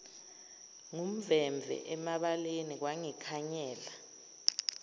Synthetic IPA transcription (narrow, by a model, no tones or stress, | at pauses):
ŋum̩vɛmbvʱɛ̰ʔɛmaɓalenik̬waŋikʰaɲɛːla